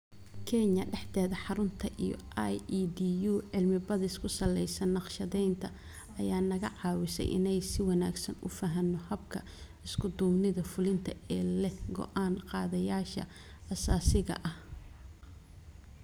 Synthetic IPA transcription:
kʰɛɲɐɖɛħt̪ɛːðɐħɑɾʊnt̪ʰɐʔijɔ̰ajid̪iːjuːʕɪlmɪbɐðɪskʰʊsɐlɛjsɐnːɑqʃɐðɛjnt̪ʰɐ | ɐjaːnɐɣɐʕɑːwɪsɛ̰jʔɪ̰nɛjsɪwɑnaːɡsɐnʊ̰fɐɦɐnːɔhɐbkʰɐ | ɪskʰʊd̪ʊːmnɪðɐfʊlɪnt̪ʰɐɛːlɛhɡɔ̰ʔaːnqɑːðɐjaːʃɐ̰ | ɐsaːsɪɣɐ̰ʔɐh

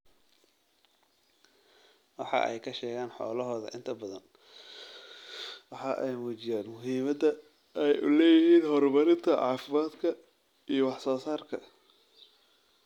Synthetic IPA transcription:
wɑħɑ̰ʔɛ̰jkʰɐʃɛːɣaːnħɔ̰ːlɐɦɔːðɐ̰ʔɪnt̪ʰɐbɐðɐ̰n | wɑħɑʔɛjmuːt͡ʃɪjaːnmʊɦiːmɐd̪ɐ | ʔɛjʔʊ̰lɛːjɪɦiːnhɔrbɐɾɪnt̪ʰɐʕɑːfɪmaːd̪kʰɐ | ijɞwɑħsɔːsaːrkʰɐ

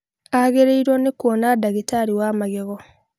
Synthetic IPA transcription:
aɣeɾeiɾwɔnekwɔnadaɣitaɾiwamaɣeɣɔ

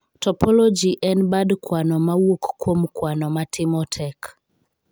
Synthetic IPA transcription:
tɔpɔlɔd͡ʒiʔɛnbadkwanɔmawokkwomkwanɔmatʰɪmɔtʰɛk

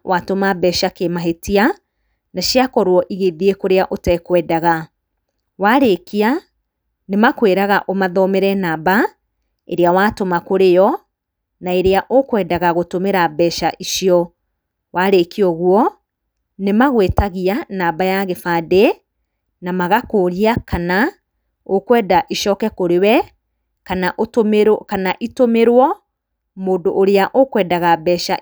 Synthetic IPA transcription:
watomabɛʃakemaɦetia | naʃiakɔɾwɔʔiɣeðiekoɾeaʔotɛkwɛːdaɣa | waɾekia | nemakweɾaɣaʔomaðɔmeɾɛnaːba | ḛɾeawaːtomakoɾejɔ | naeɾeaʔokwɛːdaɣaɣotomeɾabɛʃaʔiʃiɔ | waɾekiɔɣwɔ | nemaɣwetaɣianaːbajaɣefaːde | namaɣakoːɾiakana | okwɛːdaʔiʃɔːkɛkoɾewɛ | kanaʔotomkanaʔitomeɾwɔ | moːdoʔːɾeaʔokwɛːdaɣabɛːʃa

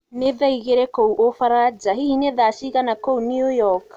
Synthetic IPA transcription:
neðajɡeɾekowʔofaɾad͡ʒaɦihineðasiɣanakownuojɔk

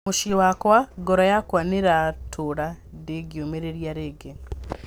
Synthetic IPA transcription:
uʃiwakwaɡoɾojakwaniɾatʰuɾadeɡjomeɾeɾjaɾeɡen

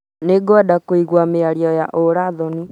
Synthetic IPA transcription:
neɡadakoiɣwameaɾjɔjaʔoɾaðɔni

